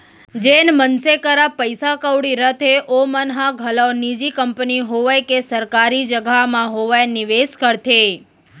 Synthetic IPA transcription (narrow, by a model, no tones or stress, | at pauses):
d͡ʒenmənsekəɾapəjsakəʋɽiɾət̪ʰeʔomənɦãɡʱələwnid͡ʒikəmpniɦoʋajkesəɾkaɾid͡ʒəɡʱamãɦoʋajniʋeskəɾt̪ʰe